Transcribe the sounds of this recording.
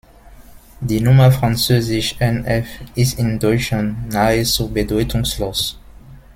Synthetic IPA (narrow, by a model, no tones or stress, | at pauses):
diːnʊmɐfʁ̥ant͡søːzɪʃʔɛnɛfʔɪstɪndɔʏt͡ʃantnaət͡subədɔʏtʰʊŋsloːs